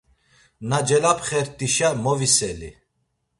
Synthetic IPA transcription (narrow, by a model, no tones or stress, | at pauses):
nad͡ʒɛlapʰχɛɾt̪ʼiʃamɔvisɛlḭ